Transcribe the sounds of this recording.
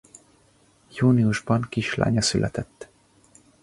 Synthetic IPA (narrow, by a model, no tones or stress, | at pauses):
juːniuʒbɒŋkiʃla̰ːɲɒsylʔɛ̰t̪ɛt̪ː